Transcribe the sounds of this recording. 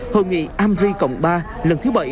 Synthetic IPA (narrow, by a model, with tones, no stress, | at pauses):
hoː˧˩jŋḭ˧˨ʔaː˧mzi˧kə̰˧˨wŋ͡mɓaː˧ | lə˨˩nt̪ʰɨ˨˦˥wɓə˧˩j